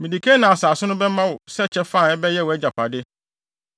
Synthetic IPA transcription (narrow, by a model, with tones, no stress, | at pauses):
mĩ˨di˨kʰe˦nã˨a˨saː˨sʊ˦nʊ̃˦bɛ˦mã˦wʊ˨sɛ˦˨t͡ɕʰɛ˦fã˦˨ɛ˦bɛ˦jɛ˦˨wɔ˨ɛ˦d͡ʑa˨pʰa˨dɪ˦